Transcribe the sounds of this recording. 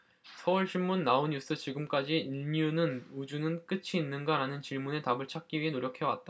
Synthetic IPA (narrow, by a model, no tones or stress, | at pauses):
sʰʌɯɭɕʰimmunːaoɲjus͈ɯt͡ɕiɡɯmk͈ad͡ʑiiɲjunɯnud͡ʑunɯnk͈ɯt͡ɕʰiːnːɯnɡaɾanɯnt͡ɕiɭmune̞tabɯɭt͡ɕʰak̚k͈iɥiɦe̞noɾjʌkʰe̞wa̰t̚t͈a